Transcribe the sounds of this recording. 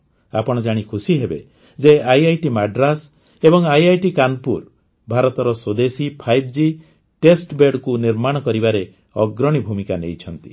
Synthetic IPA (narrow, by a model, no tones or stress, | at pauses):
a̰pɔɽ̃ɔd͡ʒaɽ̃ikʰusiɦebe | d͡ʒeajajʈimaɖɾas | ebɔŋajajʈikanpuɾ | bʱaɾɔt̪ɔɾɔsod̪esipʰajb̚ʰd͡ʒi | ʈesʈbeɖkuniɾmaɽ̃ɔkɔɾibaɾe | ɔɡɾɔɽ̃ibʱumikanḛjt͡ʃʰɔnt̪i̥̰